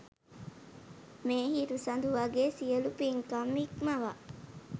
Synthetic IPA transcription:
meːhiɾusɐnd̪uʋɐɡesijɐlupiŋkɐmːikmɐʋa

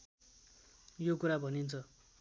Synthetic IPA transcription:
jokuɾabʱʌnint͡sʰʌ

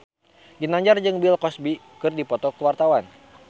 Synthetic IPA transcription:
ɡinaɲd͡ʒard͡ʒɨŋbilkɔsbi | kɨrdipɔt̪ɔkəwart̪awan

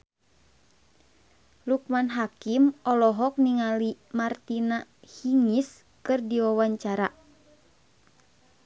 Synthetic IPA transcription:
lukmanɦakimɔlɔɦɔk̚niŋalimart̪inahiŋis | kɨrdiwawaɲt͡ʃaɾa

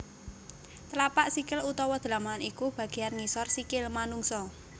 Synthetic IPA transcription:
t̪əlapaʔsikɪlut̪ɔwɔd̪̥əlamanikub̥ä̤ɡ̥e̤janŋisɔrsikɪlmanuŋsɔ

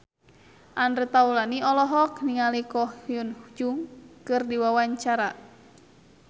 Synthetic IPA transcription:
ʔanret̪aulaniɔlɔɦɔkniŋalikɔhijunhud͡ʒuŋkɨrdiwawaɲt͡ʃaɾa

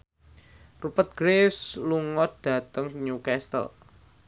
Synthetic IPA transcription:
rupət̪̚ɡ̥ɾesluŋɔd̥ä̤t̪əŋɲukɛst̪ə̰l

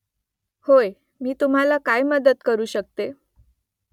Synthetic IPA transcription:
hoj | miːt̪um̤alakajməd̪ət̪kəɾuːɕək̚t̪e

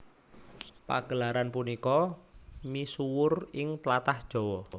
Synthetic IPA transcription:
pa̰ɡ̥ə̤laɾanpunikɔ | misuwʊrɪŋt̪lat̪ahd̥ʒ̥ɔ̤wɔ

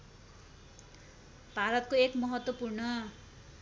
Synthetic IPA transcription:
bʱaɾʌt̪̚koekmʌɦʌt̪wʌpurnʌ

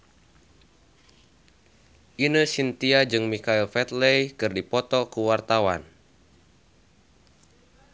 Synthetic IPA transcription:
ʔinəsint̪iad͡ʒɨŋmikailfɛt̪lejkɨrdipɔt̪ɔkuwart̪awa̰n

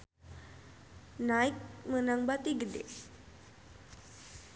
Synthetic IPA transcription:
naik̚mənaŋbat̪iɡədḛ

